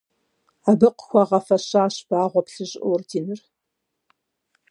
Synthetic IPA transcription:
abɨqxʷɐʁɐfɐɕaːɕb̥aːʁʷɔpɬɨʑʼʔortʰiːnɨr

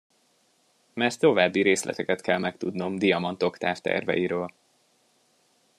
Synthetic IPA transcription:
mɛrt̪ːo̞vaːbːiɾeːslʔɛ̰t̪ɛkɛt̪kʰɛlmɛkt̪ud̪no̞md̪ijɒmɒnt̪o̞kt̪aːft̪ɛ̰rvɛ̰jiɾøːl

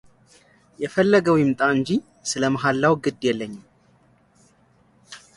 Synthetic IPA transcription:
jɛfəlːəɡəwɪmt̪ʼaɨɲd͡ʒi | sɨləməɦalːawɡɨd̪jɛlːəɲːɪm

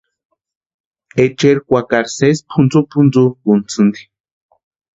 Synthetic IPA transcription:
et͡ʃeɾkʷakaɾsespʰund͡zupʰund͡zubunt͡sɨnd̪i̥

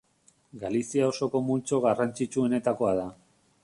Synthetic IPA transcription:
ɡalisiao̞so̞ko̞mult͡so̞ɣarant͡sit͡ʃue̞ne̞t̪ako̞aða

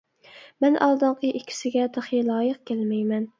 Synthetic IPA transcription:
mɛnʔɑ̰lˠd̪ɨɴqʰəʔikʲʰːi̥sɪɡʲɛd̪ɨχilˠɑːjəq̚kʲʰælmɛjmɛn

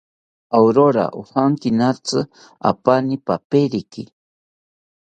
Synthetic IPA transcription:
awɾoɾa̰ʔohaŋkinat͡sɨ | a̰panipapeɾiki

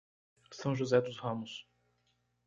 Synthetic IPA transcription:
sɐ̃w̃ʒuzɛd̪ʊzhɐ̃mʊs

